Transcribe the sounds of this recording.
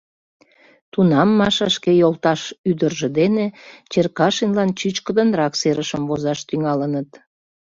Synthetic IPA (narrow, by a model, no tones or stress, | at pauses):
t̪unɑmːɑʃɑʃkejolˠt̪ɑʃyd̪ərʒĕd̪enet͡ɕerkɑʃinlɑnt͡ɕyt͡ɕkəd̪ənrɑkseɾəʃəmvozɑʃt̪yŋɑlənət̪